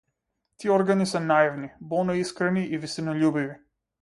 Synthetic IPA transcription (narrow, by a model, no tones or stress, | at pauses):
t̪iɛɔɾɡanisɛnaivnibɔlˠnɔiskɾɛniʔivisinɔʎubivi